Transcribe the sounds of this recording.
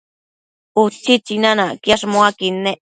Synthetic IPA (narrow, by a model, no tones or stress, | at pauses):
ut͡ʃit͡ʃinanakjaʂmoakinːe